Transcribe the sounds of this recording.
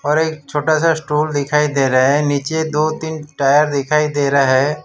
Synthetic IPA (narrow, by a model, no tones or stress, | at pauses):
ɔːɾeːkt͡ʃʰoːʈasasʈuːld̪ɪkʰaːid̪eːɾaɦɛniːt͡ʃed̪oːt̪ɪnʈaːjəɾd̪ɪkʰaːid̪eːɾaɦɛ